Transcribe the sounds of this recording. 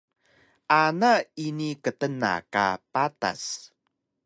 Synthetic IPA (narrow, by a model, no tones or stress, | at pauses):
ʔanainikətəna̰ka̰pata̰s